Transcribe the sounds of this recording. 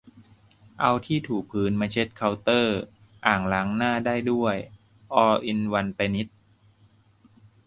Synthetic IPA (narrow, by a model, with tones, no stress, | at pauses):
ʔa˧wt̪ʰiː˥˩t̪ʰuː˨˩k̚pʰɯː˨˧˥nmaː˧t͡ɕʰe˦˥t̪̚kʰa˧wt̪ɤː˥˩ | ʔaː˨˩ŋla˨˦˥ŋnaː˥˩daː˥˩jdu˥˩əj | ʔɔː˧ʔi˧nwa˧npa˧ni˦˥t̪̚